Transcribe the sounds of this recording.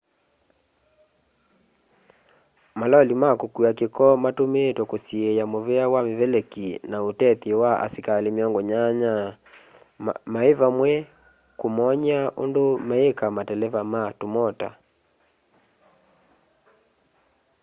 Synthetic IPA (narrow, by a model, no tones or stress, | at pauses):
malɔlimakokuakekɔmatomeːtwɔkosiejamovɛawamevɛlɛkinaotɛtiwaa̰sikalemɔŋɡoɲaɲa | maevamwɛ | komɔɲaʔo̰ndomaekamatɛlɛvamatomɔta̰